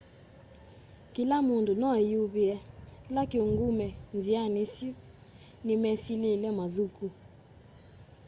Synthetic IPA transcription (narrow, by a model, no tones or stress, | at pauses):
kilamondonɔajuβiɛlakeoŋɡumɛnzianesi | nimɛsilelɛmaðuku